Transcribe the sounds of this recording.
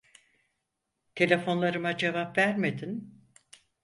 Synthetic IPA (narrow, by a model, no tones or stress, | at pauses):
t̪ʰe̞lʲe̞fo̞nlˠaɾɯmad͡ʒe̞vapvæɾmed̪in